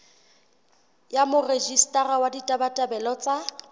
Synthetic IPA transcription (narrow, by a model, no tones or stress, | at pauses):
jamʊred͡ʒistʼarawaditʼabatʼabɛlɔt͡sʼa